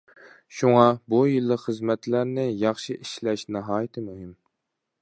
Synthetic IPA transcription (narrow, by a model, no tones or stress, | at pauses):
ʃuŋɑbujɨlˠːəqχəzmɛt̪ʰlæɾnɪjɑχʃiʔiʃlɛʃnɨɦɑːjɪt̪ʰɪmuɦɪm